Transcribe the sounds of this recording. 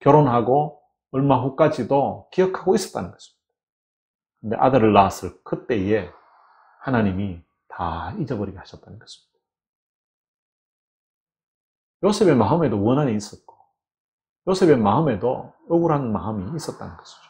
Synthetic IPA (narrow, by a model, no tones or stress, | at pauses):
kjʌɾonɦaɡo | ʌɭmaɦok͈ad͡ʑidokijʌkʰaɡois͈ʌt͈̚a̰nɯnɡ̥ʌɕʰi̥mɲid̥a | kɯnde̞ʔa̰dɯɾɯɭːasʰɯɭk͈ɯt͈e̞je | hanaɲimi | ta̰id͡ʑʌbʌɾiɡehaɕʰʌt͈̚anɯnɡ̥ʌɕʰimɲid̥a | josʰe̞be̞maɯme̞dowʌnɦaniis͈ʌk͈o̥ | josʰe̞be̞maɯme̞do̰ | ʌɡuɾɦanma̰ɯmiːs͈ʌt͈̚a̰nɯnɡʌɕʰi̥d͡ʑo̥